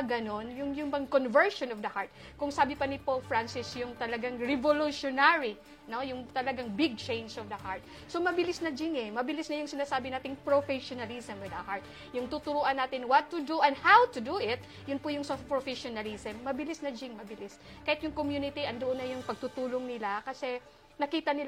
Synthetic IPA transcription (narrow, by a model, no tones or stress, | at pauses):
ɐɡɐno̞njʊŋjʊŋbɐŋkonvɛɹʃonɔvd̪ɐhaɹt̪̚ | kʊŋsaːbɪpɐnɪpolfɹansɪsjʊŋt̪ɐlɐɡaŋɹɛvoluʃonaɹi | no̞jʊŋt̪ɐlɐɡaŋbɪɡ̚t͡ʃẽjnd͡ʒɔvd̪ɐhaɹt̪̚ | somɐbɪlɪsnɐd͡ʒɪŋɛmɐbɪlɪsnɐjʊŋsɪnaːsaːbɪnaːt̪ɪŋpɹofɛʃonɐlisɐmwɪd̪ɐhaɹt̪̚ | jʊŋt̪ut̪ʊɾuʔɐnːaːt̪ɪnwɐt̪ːʊd̪uʔɛnd̪hawt̪ʊd̪uʔɪt̪̚ | jʊnpʊjʊŋsɐpɹofɛʃonɐlisɛmːɐbɪlɪsnɐd͡ʒɪŋmɐbɪliskajɪt̪jʊŋkomjuːnɪt̪iʔɐnd̪ʊʔonːɐjʊŋpɐɡ̚t̪ut̪uːloŋnɪlakɐsɛ | nɐkiːt̪ɐnɪl